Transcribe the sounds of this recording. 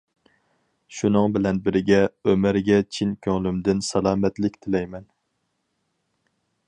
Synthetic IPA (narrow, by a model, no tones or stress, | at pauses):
ʃunɨŋbɪlɛnbɪɾɪɡʲɛømɾɡʲɛt͡ʃʰinkʲʰøŋlymd̪ɪnsɑlˠɑːmɛt̪lɪkʲt̪ʰɪlɛjmɛn